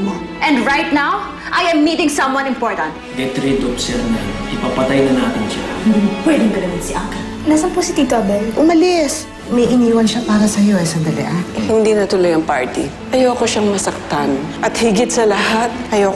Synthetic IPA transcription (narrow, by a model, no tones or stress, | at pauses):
ʔɛ̃nd̪ɹajt̪̚naw | ʔajɛmːiːt̪ɪ̃ŋsɐ̃mwɐ̃nɪ̃mpoɹt̪ɐ̃nt̪̚ɡɛt̪ɾid̪opsɛlɐnɐʔɪpapɐt̪ajnɐnaːt̪ɪnʃahɪnd̪ɪŋpwɛd̪ɪŋb̪ɐlɐmɪt̪sɪʔaːkɪn | lasɐŋposɪt̪iv̚t̪ɐbɛjʔʊmɐlɪs | mɐjʔɪniːwɐnʃapaːɾɐsɐjo̞ʔɐjsɐnd̪ɐlɪ̰ʔanhɪnd̪inɐt̪ʊlɐjɐŋpa̰ɹt̪ḭ | ʔɐjoːkoʃaŋmɐsɐk̚t̪anʔɐt̪hɪɡɪt̪sɐlɐhat̪̚ʔɐjoː